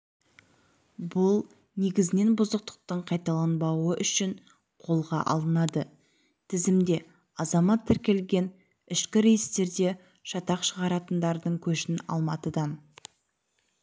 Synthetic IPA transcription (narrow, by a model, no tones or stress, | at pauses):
bʊlˠ | ne̞ɡʲɪzɪne̞nbʊzəq̚t̪ə̥q̚t̪əɴqʰɑjt̪ɑlˠɑnbɑwəʔʏʃɪɴ | qʰo̞lˠʁɑ̰ʔɑ̰lˠənɑd̪ə | t̪ʰɪzɪmd̪e̞ | ɑzɑmɑt̪ʰːɪɾkʲe̞lɡʲe̞n | ɪʃkʲɪɾe̞jɪst̪e̞ɾd̪e̞ | ʃɑt̪ɑqʃəʁɑɾɑt̪ənd̪ɑɾd̪əɴkʲʰɵʃɪnɑ̰lˠmɑt̪əd̪ɑn